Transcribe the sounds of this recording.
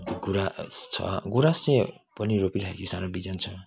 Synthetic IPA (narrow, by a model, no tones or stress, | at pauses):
t̪iɡuɾast͡sʰʌ̰ɡuɾase | pʌniɾopiɾʌɦḛkʰisaɾobid͡zʌnt͡sʰʌ